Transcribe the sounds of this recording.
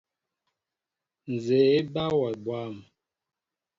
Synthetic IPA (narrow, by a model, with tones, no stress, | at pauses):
n̩˨ze˨e˦ba˦wɔ˨bwa˦˨m